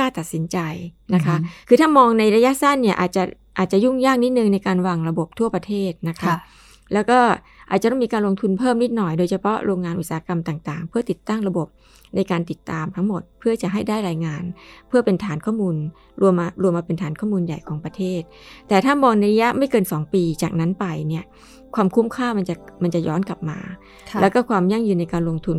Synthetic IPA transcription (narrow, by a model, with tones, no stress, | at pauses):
kaː˥˩t̪a˨˩t̪̚si˩˦nt͡ɕa˧jna˦˥kʰa˦˥ʔkʰɯː˧t̪ʰaː˥˩mɔː˧ŋna˧jɾa˧ja˦˥ʔsa˥˩nːi˥˩ɐʔa̰ː˨˩t̪̚t͡ɕa˨˩ʔ | ʔaː˨˩t̪̚t͡ɕa˨˩ju˥˩ŋjaː˥˩k̚ni˦˥t̪̚nɯ˨˧ŋna˧jkaː˧nwaː˧ŋɾa˧bo˨˩p̚t̪ʰu˥˩ɐpɾa˧t̪ʰeː˥˩t̪̚na˦˥kʰa˦˥ | lɛː˦˥wkɔː˥˩ | ʔaː˨˩t̪̚t͡ɕa˨˩t̪ɔ˥˩mi˧kaː˧lo˧ŋt̪ʰu˧npʰɤː˥˩mni˦˥t̪̚nɔ˨˩jdoː˧jt͡ɕʰa˧pʰɔ˦˥ʔɾoː˧ŋːaː˧nʔu˨˩t̪̚saː˨˩˦ka˧mt̪aː˨˩ŋt̪aː˨˩ŋpʰɯ˥˩ɐt̪i˨˩t̪ːa˥˩ŋɾa˧bo˨˩p̚ | na˧jkaː˧nt̪i˨˩t̪ːaː˧mt̪ʰa˦˥ŋmo˨˩t̪̚pʰɯ˥˩ɐt͡ɕa˨˩ɦa˥˩jdaː˥˩jɾaː˧jŋaː˧npʰɯ˥˩ɐpe˧nt̪ʰaː˩˦nkʰɔː˥˩muː˧n | ɾu˧əmːa˧ɾu˧əmːaː˧pe˧nt̪ʰaː˩˦nkʰɔː˥˩muː˧nja˨˩jkʰɔː˩˦ŋpɾa˧t̪ʰeː˥˩t̪̚t̪ːɛː˨˩t̪ʰaː˥˩mɔː˧ŋna˧jɾa˧˥ja˦˥ʔma˥˩jkɤː˧nsɔː˩˦ŋpiː˧t͡ɕaː˨˩k̚na˦˥npa˧jni˥˩ɐ | kʰwaː˧mkʰu˦˥mkʰaː˥˩ma˧nt͡ɕa˨˩ma˧nt͡ɕa˨˩jɔː˦˥nka˨˩p̚ma̰ː˧ | lɛː˦˥wkɔː˥˩kʰwaː˧mja˥˩ŋjɯː˧nːa˧jkaː˧nlo˧ŋt̪ʰu˧n